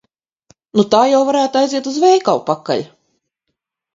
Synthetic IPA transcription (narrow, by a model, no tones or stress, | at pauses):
nut̪aːjawvaɾæːt̪ajziɛt̪uzvɛjkawpakːa̰ʎʲ